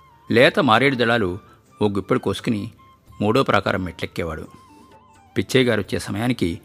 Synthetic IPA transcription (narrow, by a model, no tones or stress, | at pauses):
lɛːt̪ɐmaːɾeːɽud̪ɐɭaːlu | oːɡupːɐɽikoːsu̥kuni | muːɽoːpɾʔɐka̰ːɾɐmːeʈlekːɛːʋa̰ːɽṵ | pit͡ʃːɐjɡaːɾot͡ʃːeːsɐmɐjaːniki